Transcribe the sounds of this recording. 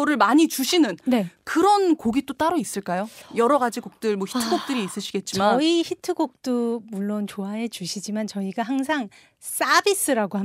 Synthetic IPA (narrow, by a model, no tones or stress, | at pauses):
ʌɾɯɭmaɲit͡ɕuɕʰinɯnnekɯɾʌnkoɡit͈ot͈aɾois͈ɯɭk͈ajojʌɾʌɡad͡ʑiɡok̚t͈ɯɭmwoçʰitʰɯɡok̚t͈ɯɾiːs͈ɯɕʰiɡe̞t̚t͡ɕ͈imaʌiçitʰɯɡok̚t͈omuɭːont͡ɕoaɦe̞t͡ɕuɕʰid͡ʑimant͡ɕʌiɡaɦaŋsʰaŋ | s͈abis͈ɯɾaɡoɦa